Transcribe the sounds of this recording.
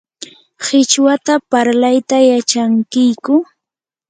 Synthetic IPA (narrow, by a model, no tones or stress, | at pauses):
xɪt͡ʃwat̪apaɾlajt̪ajat͡ʃaŋkɪjkʊ